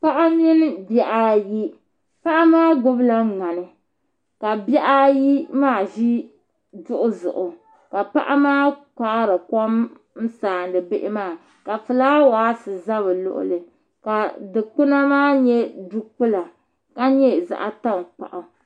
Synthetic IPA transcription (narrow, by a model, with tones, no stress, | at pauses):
pa˦ʔa˦m˦i˦nɨ˦bjɛ˦ʔa˦ji˦ | pa˦ʔa˦maː˦ɡʊ˦bla˦ŋa˨nɨ˨ | ka˨bjɛ˦ʔa˦ji˦maː˦˨ʒi˦ | dʊ˦ʔʊ˦zʊ̰˨ʔʊ˨ | ka˨pa̰˦ʔa˦maː˦ka˨ʔɾɨ˨ko˦m | n̩˦saː˨n˨dɨ˨bɪ˦ʔɪ˦maː˦˨ | ka˨fɨ˨laː˦waː˨˦sɨ˨za˦βɨ˨lʊ̰˦˨ʔʊ̰˦lɨ˨ | ka˨dɨ˨k͡pu˦na˦maː˦ɲɛ˦du˦k͡pu˦la˨ | ka˦ɲɛ˦za̰˨ʔa˨ta˦˨ŋ˨k͡pa̰˨ʔʊ˨